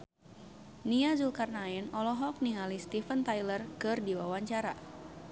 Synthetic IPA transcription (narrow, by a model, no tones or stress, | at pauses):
niazulkarnainɔlɔɦɔk̚niŋalist̪ifənt̪ajlərkɨrdiwawaɲt͡ʃaɾa